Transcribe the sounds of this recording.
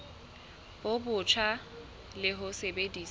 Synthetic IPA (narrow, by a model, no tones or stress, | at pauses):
b̥obʊt͡ʃʰa | lɪɦʊsebediːs